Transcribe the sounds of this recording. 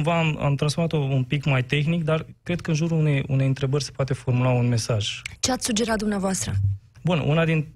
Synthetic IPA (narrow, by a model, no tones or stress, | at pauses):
mvaːma̰mt̪ɾansfomat̪ounpikmajt̪e̞xnik̚d̪arkɾe̞d̪̥̚kəɨnʒuɾuune̞jṵne̞jɨnt̪ɾe̞bərʲse̥poat̪e̞fo̞rmulaunme̞saʒt͡ʃe̞at̪sʲsud͡ʒe̞ɾat̪̚d̪umneavoast̪ɾə̰ | bunṵnad̪in